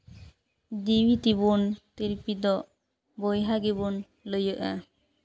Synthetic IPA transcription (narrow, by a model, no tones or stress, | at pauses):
d̪iwit̪ibunt̪iɾpid̪ɔʔ | bɔjɦaɡibun | ləjəʔa